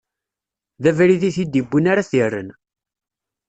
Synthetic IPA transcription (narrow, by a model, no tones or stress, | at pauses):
ðævæɾiðiθid̪ibːənaɾaθərːə̰n